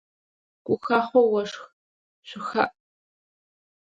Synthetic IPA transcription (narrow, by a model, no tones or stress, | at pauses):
kʷʼʊxaːχʷowɐʂx | ɕʷɪxɐ̰ʔ